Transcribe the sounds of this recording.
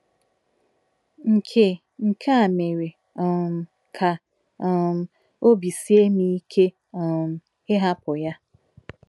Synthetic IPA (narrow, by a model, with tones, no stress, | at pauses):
ŋ̩˨kʰe˨ | ŋ̩˨kʰa˦a˨me˨ɾe˨ | ɔ˨m˨ | kʰa˨˦ | m˨ | o˦bi˨si˦e˦mi˦kʰe˦˨ | m˦ | ɪ˦ɦa˦pʊ˨ja˦